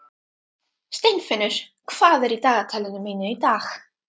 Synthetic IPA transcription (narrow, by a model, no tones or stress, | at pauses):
st̪ejnfɪnʏɾ̥ | kʰv̥aːðɛɾit̪aːɣat̪ʰalɪnʏmeːnʏit̪aːɣ